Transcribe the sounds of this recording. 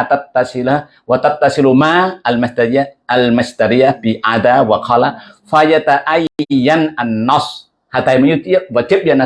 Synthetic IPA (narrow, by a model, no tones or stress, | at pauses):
at̪att̪ːasɨla | wat̪at̪ːasɨlmaalmast̪aɾijaʔalmaʃt̪aɾijabiʔad̪awaqʰɑlafajat̪aʔajːanʔanːɑsˤ | hat̪ajmajut̪jawat̪ɪbjana